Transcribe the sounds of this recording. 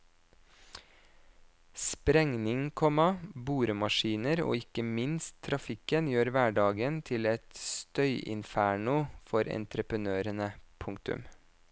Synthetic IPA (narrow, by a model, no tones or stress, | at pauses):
spɾɛŋnɪŋkʰɔmɑbuːɾəmɑʃiːnəɾo̰ːɪkəmɪnst̪ʰːɾɑfɪkənjøːɾʋæːɖɑːɡənt̪ʰɪlɛt̪st̪œʏʔɪ̰nfæːɳʊfɔɾɛ̰nt̪ɾəpənøːɾənəpʰʊŋk̚t̪ʉ̰m